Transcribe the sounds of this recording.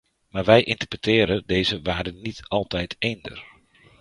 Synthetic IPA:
maːrʋɛjʔintərpətʰɪːɾədeːzəʋaːdənitʰɑlˠtɛjtʰejndə̰r

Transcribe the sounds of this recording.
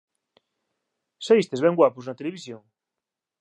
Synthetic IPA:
saist̪ezβɛ̃ŋɡwapʊznɐt̪eleβisjoŋ

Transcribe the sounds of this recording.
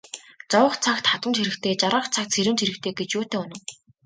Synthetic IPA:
t͡sɔwə̆χt͡sʰak̚t̪χat̪ə̆nt͡ɕʰiɾɘ̆kt̪ʰeːt͡ɕaɾə̆χt͡sʰak̚t̪sʰeɾɘ̆nt͡ɕʰiɾɘ̆kt̪ʰeːɡet͡ɕjoːt̪eːʊnə̆w

